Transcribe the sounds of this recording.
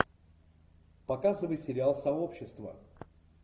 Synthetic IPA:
pɐkazɨvəjsʲɪɾʲɪalˠsɐo̞pɕːɪst̪və̰

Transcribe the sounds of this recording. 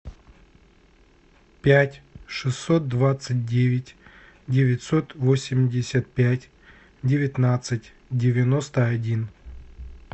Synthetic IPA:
pʲætʲʂɨsːot̪̚d̪vat̪sɨt̚ʲdʲevʲɪtʲ | dʲɪvʲɪtʲso̞t̪vosʲɪmʲdʲɪsʲət̪̚pʲætʲ | dʲɪvʲɪt̪nat̪sɨtʲ | dʲɪvʲɪno̞st̪əɐdʲin

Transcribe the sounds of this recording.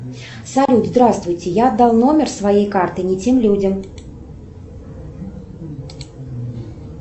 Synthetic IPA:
salʲud̪zd̪ɾast̪vʊjt͡sʲɛjaːd̪ːalˠnɔmʲɛrsvajejkart̪ɨnʲit͡sʲimlʲud͡zʲɐm

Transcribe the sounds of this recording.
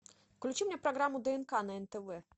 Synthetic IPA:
fklʲut͡ʃimnʲɛpɾaɣɾamːud̪ɛɛnkanɐɛnt̪ɛvɛ

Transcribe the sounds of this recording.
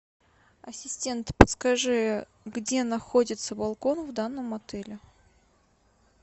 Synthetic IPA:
ɐsʲɪsʲtʲe̞nt̪pət̪skɐʐɨj | ɡdʲe̞nɐxodʲɪt̪səbɐlˠko̞nvd̪anːəmɐt̪ɛlʲɪ

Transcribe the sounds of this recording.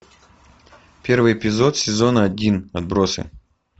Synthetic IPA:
pʲe̞rvɨjɪpʲɪzo̞t̪sʲɪzo̞nəɐdʲinɐd̪̚bɾosɨ̰

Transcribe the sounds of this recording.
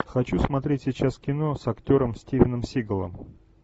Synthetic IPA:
xɐt͡ɕusmɐt̪ɾʲetʲsʲɪt͡ɕaskʲɪno̞sɐktʲo̞ɾəmsʲtʲivʲɪnəmsʲiɡəlˠə̰m

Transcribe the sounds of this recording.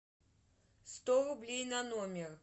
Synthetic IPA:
st̪ɔrublʲejnɐnɔmʲɛr

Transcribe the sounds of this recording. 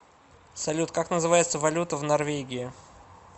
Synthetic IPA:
sɐlʲut̪kaknəzɨvajɪt̪səvɐlʲut̪əvnɐrvʲeɡʲɪɪ

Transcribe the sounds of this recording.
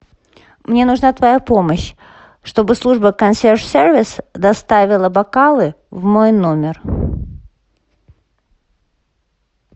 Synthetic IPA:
mnʲe̞nʊʐnat̪vɐjapo̞məɕ | ʂt̪o̞bɨslˠuʐbəkɐnsʲerʂsʲervʲɪsd̪ɐst̪avʲɪlˠəbɐkalˠɨ | vmo̞jno̞mʲɪr

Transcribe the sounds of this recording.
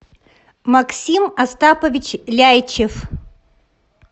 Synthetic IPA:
mɐksʲimɐst̪apəvʲɪt͡ɕlʲajt͡ɕɪf

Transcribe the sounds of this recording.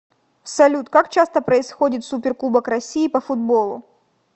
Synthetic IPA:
sɐlʲut̪kakt͡ɕast̪əpɾəɪsxodʲɪt̪supʲɪrklˠubəkɾɐsʲiːpəfʊd̪bolˠʊ̰

